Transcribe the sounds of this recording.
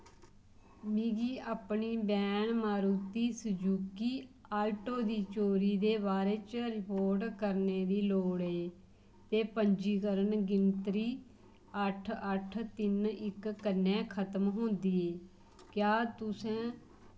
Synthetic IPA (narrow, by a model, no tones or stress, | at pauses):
miːɡiːaːpɳiːbɛːɳmaːɾuːt̪iːsəd͡ʒuːkiːaːlʈoːd̪iːt͡ʃoːɾiːd̪eːβaːɾeːt͡ʃɾɪkoːɾɖkəɾneːd̪iːloːɽeː | t̪eːpəɲd͡ʒiːkəɾənɡɪnt̪ɾiː | əʈʰəʈʰt̪ɪnɪkːənːɛ̃ːkʰət̪əmɦõːnd̪iːeː | kjaːt̪ʊsɛ̃ː